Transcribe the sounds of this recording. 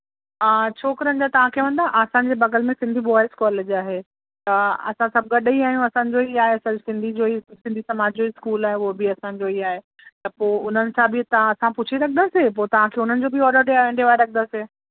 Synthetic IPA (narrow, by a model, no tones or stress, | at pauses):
aːt͡ɕʰoːkɾɐ̃nd͡ʑ̪at̪ɐʋ̤ãkʰeːʋɐ̃nd̪aʔaːsãn̆d͡ʑeːbɐɡəlmẽsɪ̃nd̪ʱibɔːɪskɔːleːd͡ʑaːɦeː | t̪ɐɐ̰sãsɐb̚ɡɐɗiaːɦijũɐsãːɲ̆d͡ʑoiaːɦesɐsɪ̃nd̪ʱid͡ʑoːisɪ̃nd̪ʱisɐmaːd͡ʑd͡ʑoiskuːlaːɦeʊɦobɪɐsãɲ̆d͡ʑoiaːɦe | t̪ɐpoːʊn̤ənɪ̆sãbɪt̪ɐãɐsãpʊt͡ɕʰiɾɐkʰnd̪asepoːt̪ɐʋ̤ãkʰeːʊn̤ənɪ̆d͡ʑoːbɪɔːɾoɖẽɳɖeʋaːeɾɐkʰənd̪ase